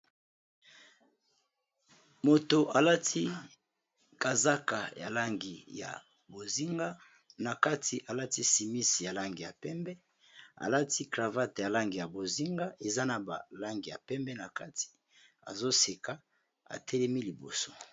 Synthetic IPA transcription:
mo˨to˨ʔa˨la˦tʰi˦ | ka˨za˦ka˨ja̰˨la˦ŋɡi˨ja̰˨ | bo˨zi˦ŋɡa˦ | na˨ka˦tʰi˨ʔa˨la˦ti˦si˨mi˦si˨ja˨la˦ŋɡi˨ja˨pɛ˦mbɛ˦ | a̰˨la˦tʰi˦kʁa˨va˦tja˨la˦ŋɡi˨ja˨bo˨zi˦ŋɡa˦ʔe˨za˦na˨ba˨la˦ŋɡi˨ja˨pɛ˦mbɛ˦na˨ka˦tʰi̥˨ | a̰˨zo˦se˨ka˦ | a̰˨tʰɛ˦lɛ˦mi˦li˨bo̰˨so̥˦

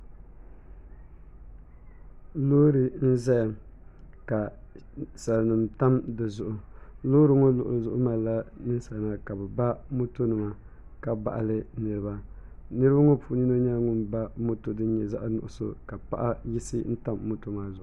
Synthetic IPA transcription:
loː˦ɾɨ˦n̩˦za˦j | ka˨ | sa˨lnɨ˨mta˦mdɨ˨zʊ˨ʔʊ˨lo˦ɾɨ˦ŋo˦lʊ˨ʔzʊ˦ʔʊ˦ma˨la˦nɨ˦sa˨na˨ka˨bɨ˨ba˦mo˦to˦nɨ˨ma˨ | ka˨ba̰˨ʔa˨lɨ˦nɨ˨ɾɨ˦ba˦nɨ˦ɾa˦ŋo˦pu˨ɲi˦no˦ɲa˦lŋʊ˦mba˦mo˦to˦dɨ˦ɲɛ˨za̰˦ʔnʊ˨ʔʊ˨so̰˦ka˨pa˦ʔa˦ji˦sɨ˦n̩˦ta˦mːo˦to˦maː˨zʊ˨ʔʊ˨

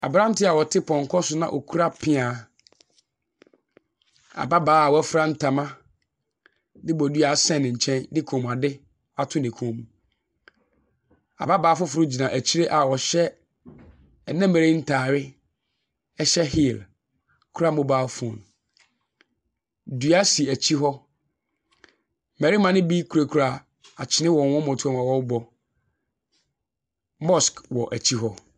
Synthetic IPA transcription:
a̰˨bɾã˦n̩˦tɪ˦a˨wɔ˨tʰɪ˦pʰɔ̃˨ŋ˨kʰɔ˦sʊ˦nã̰˨ʔo̰˨kʰu˦ɾa˦pʰɪ̃˦a˨˦ | a̰˨ba˦baː˨˦a˨wɔ˨˦ɛ˦fɾa˦n̩˦tʰa˨mã˦ | dɪ˦bɔ˨du˦a˨˦sɛ̃˦˨nɪ̃˨ɲ̩˨t͡ɕʰɛ̃˦ndɪ˦kʰõ˨m˨a˨dɪ˦ | a˨tʰʊ̃˦nɪ̃˨kʰõ˨mu˨ | a̰˨ba˦baː˨˦fʊ˦fʊ˨ɾʊ˦d͡ʑi˨nã˨ʔæ˨t͡ɕʰi˦ɾe˦ʔa˨wɔ˨ɕɛ˦ | ɛ˨nɛ̃˦mɛ˨ɾe˦n̩˦tʰaː˨ɥɪ˦ | ɛ˦ɕɛ˦ɦi˦˨l | kʰu˦ɾa˦mõ˦baː˦fn | dɥa˦si˨æ˨t͡ɕʰi˦ɦɔ˦ | mɛ˨ɾi˦mã˦nɪ̃˦bi˦kʰu˨ɾe˨kʰu˨ɾa˨ | a˨t͡ɕʰɪ˨nɪ̃˦wɔ̃˨n˨wɔ̃˦mɔ̃˨tʰu˦a˦˨mã˨wɔ˦bɔ˦ | mɔ˦˨skwɔ˨ʔæ˨t͡ɕʰi˦ɦɔ˦

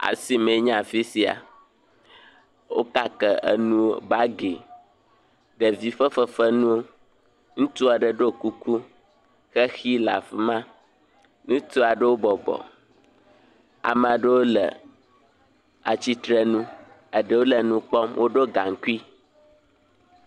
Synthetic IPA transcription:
a̰˨si˨mẽ˨˦ɲã˨fi˦si˨a̰˨ | wo̰˦ka˦kə˨ə̰˨nũ˦o˦ba˦ɡe˨ | ɖə˨vi˦ɸə˦fə˦fə˦nũ˦wo˦ | ŋũ˦t̪u˦a˨ɖə˦ɖo˦ku˦ku˦ | xɛ˦xi˦la̰˨fmã˦ | nũ˦t̪u˦a˨ɖə˦wo˦bɔ˨bɔ̰˨ | a̰˨mɛ˨a˨ɖə˦wo˦lə̰˨ | a̰˨t͡ɕi˦t̪ɾɛ˦nũ˦ | ə˨ɖə˦wo˦lə˨nũ˦k͡pɔ˦mwʔo˦ɖo˦ɡa˨ŋ˨˦ku˦i˦

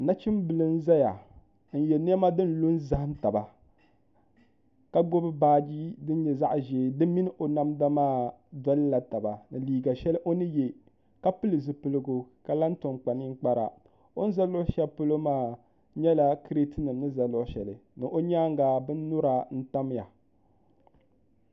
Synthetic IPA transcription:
na˦t͡ʃi˦m˦bɨ˨lɨ˦n̩˦za˦ja˨ | n̩˨˦jɛ˨ne˦ma˦dɨ˦n˦lu˦nza˦hɨ˦mta˨ba˨ | ka˦ɡ͡bo˦bɨ˦baː˦d͡ʒi˦dɨ˦n˦ɲɛ˨za˦ʔʒe˨dɨ˦mi˦nɨ˦ʔo˨na˦mda˦maː˦˨ | dɔ˦lla˨ta˨ba˨nɨ˨liː˨ɡa˨ʃɛ˦lɨ˦ʔo˦nɨ˦jɛ˨ | ka˦pɨ˦lɨ˨zɨ˨pɨ˨lɨ˨ɡo˨ka˨la˦n˦to˨ŋ͡mk͡pa˨ni˦ŋ˦k͡pa˦ɾa̰˨ | o˦n˦za˦lo˦ʃɛ˦pɨ˦lo˦maː˦˨ | ɲɛ˦la˦kɨ˦ɾe˦tɨ˦nɨ˨mnɨ˦za˨lo˦ʔʃɛ˨lɨ˨nɨ˨ʔo˦ɲaː˦ŋɡaː˨bɨ˦nː˦ʊ˦ɾa˨n̩˦ta˦m˦ja˨

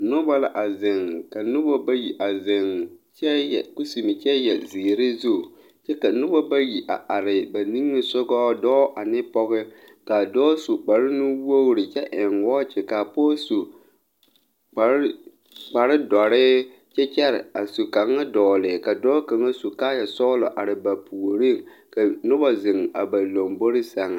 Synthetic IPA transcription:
nʊ˦ba˦la˨ʔa˨zɪ˨ŋka˨nʊ˦bɔ˦ba˦ji˨ʔa˨zɪ˨ŋt͡ʃɛ˦˨kʊ˦si˨mɪ˨t͡ʃɛ˦jɛ˨ziː˨ɾɪ˦zu˦˨ | t͡ʃɛ˦ka˨nʊ˦bɔ˦ba˦ji˨ʔa˨ʔa˨ɾɪ˨ba˨ni˦ŋːɨ˦sʊ˦ɡɔː˦dɔː˦ʔa˨nɪ˦pɔ˦ɣɪ˦ | ka˨dɔː˦su˨k͡pa˨ɾɪ˦nʊ˦wo˦ɾɪ˨t͡ʃɛ˦ʔɪ˨ŋwɔː˦t͡ʃɪ˨ka˨poː˦su˨ | k͡pa˨ɾ | k͡pa˨ɾɪ˦dɔ˨ɾɪ˦ | t͡ʃɛ˦t͡ʃɛ˦ɾɪ˨a˨su˨ka˨ŋːa˦dɔː˨lɪ˨ka˨dɔː˦ka˨ŋa˦su˨kaː˦ja˨sɔ˦lɔ̰˨ʔa˨ɾɪ˨ba˨pu˨ɾi˦ŋ | ka˨nʊ˦ba˦zɪ˨ŋ˨a̰˨ba˨lo˨mbo˦ɾɪ˦sa˨ŋa˨

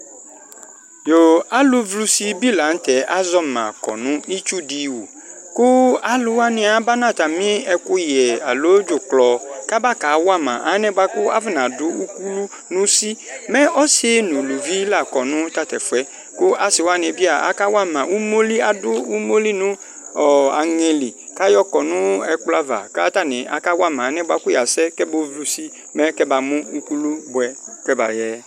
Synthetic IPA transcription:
jo˨a˦lʊ˦vlu˦si˦bi˦la˨n̩˦tɛ˨ʔa˦zɔ˦mã̰˨kɔ̰˨nʊ̃˦nĩ˦t͡ʃu˦di˦wo̰˨ | kʊ˦a˦lʊ˨wa˦nɪ̃˨a˨ba˦nã˦˨t̪a˨mɪ̃˦ɛ˦kʊ˦jɛ˨a̰˨lo˦d͡ʒʊ˨klɔ˨ka˦ba˦ka˨˦wa˦mã̰˨ʔa˦nɛ̃˦ba˦kʊ˦a˦vɪ˦nã˨dʊ˦u˦ku˦lu˦ | nʊ̃˦si˦mɛ˦ɔ˦se˦nʊ̃˨lu˨vi˦la˨kɔ˨nʊ̃˦ta˦tɛ˨fɛ˦ | kʊ˦ʔa˨sɪ˨wa˦n˨ɛ˨bi˦a˨ʔa̰˦ka˦wa˦mã˨u˦mo˦li˦a˨dʊ˦u˦mo˦li˦nʊ̃˦ | ɔ˨a˨ŋɛ˨li˨ka˦jɔ˦kɔ˨nʊ̃˦ɛ˦kla˦va̰˨ka˦ta˦˨nɪ̃˨a̰˨ka˦wa˦˨mã˨˦nɛ˦ba˦kʊ˦ja˨sɛ˦kɛ˦bo˦vlu˦si˦ | mɛ˦kɛ˦ba˨mʊ̃˦u˦ku˦lu˦bʊ˨ɛ˨kɛ˦ba̰˨jɛ˦

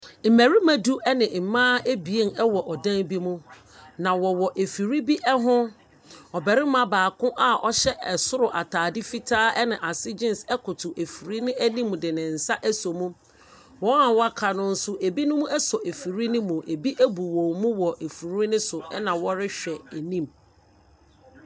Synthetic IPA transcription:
m̩˨mæ˨ɾi˦mã˦du˦ʔɛ˦nɪ̃˨m̩˨mãː˦ʔe˦bi˨e˦˨nɛ˦wɔ˨ʔɔ˨dã˦bi˦mũ˦ | nã˨wɔ˨wɔ˨ʔe˨fi˨ɾi˦bi˦ʔɛ˦ɦʊ̃˦ | ɔ˨bɛ˨ɾɪ˦m˦ã˦baː˨kʊ̃˦ʔa˦ʔɔ˦ɕɛ˦ʔɛ˨sʊ˦ɾʊ˨ʔa˨tʰaː˨dɪ˦fi˦tʰaː˦ɛ˦nɪ̃˨ʔa˨sɪ˦d͡ʑɪ̃˦nsɛ˦kʰʊ˨tʰʊ˨ʔe˨fi˨ɾi˦nɪ̃˦æ˦nĩ˦m̃˨dɪ˨nɪ̃˨n̩˨sa˦ʔæ˦sɔ˨mũ˦ | wɔ˨˦ã˦˨wɔ˦a˦kʰa˨nʊ̃˦n̩˦sʊ˦ʔe˨bi˦nʊ̃˦mũ˦ɛ˦sɔ˨ʔe˨fi˨ɾi˦nʊ̃˦mũ˨ʔe˨bi˦ʔæ˦bu˨wõ˨mũ˦wɔ˨ʔe˨fu˨ɾu˦nʊ̃˦sʊ˨ɛ̰˦nã˨wɔ˦ɾɪ˦ɕᶣɛ˨æ˨nĩ˦˨m

